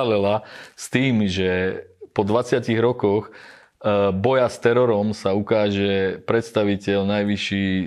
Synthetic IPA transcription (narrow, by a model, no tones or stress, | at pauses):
lɛlast̪iːmʒɛpɔd̪ʋat͡sɪaciɣɾɔkɔx | bɔjast̪ɛɾɔɾɔmsaukaːʒɛpɾɛt̪st̪aʋicɛlnajʋiʃiː